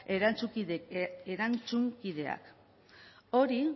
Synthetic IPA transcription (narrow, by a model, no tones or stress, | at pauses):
eɾant͡suieɾant͡suŋkiðe̞a̰k | o̞ɾi